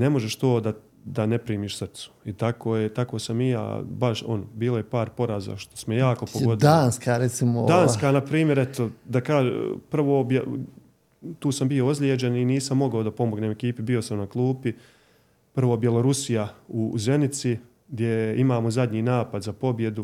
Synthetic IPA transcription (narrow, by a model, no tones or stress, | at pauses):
ne̞mo̞ʒe̞ʃt̪o̞ːd̪a | d̪ane̞pɾiːmiːʃsɨr̩t̪su̥it̪akʰoːjet̪ako̞ːsamija̰ːbaʃo̞̰nobiːlˠo̞jepaːɾpo̞ɾaːza̰ʃt̪osmojaːko̞poɡod̪aːnskaɾet̪simod̪aːnskaːnapɾiːmjeɾet̪od̪akaːʒḛpr̩ʋoːbje | t̪uːsambijo̞ozlʲed͡ʒeniniːsamːo̞ɡaod̪apo̞moɡnemekiːpibio̞samnaklˠuːpi | pr̩ʋo̞bje̞lˠo̞ɾusijauze̞nit̪si | ɡd̪je̞imaːmozad̪ʲɲiːnaːpad̪zapo̞bje̞d̪u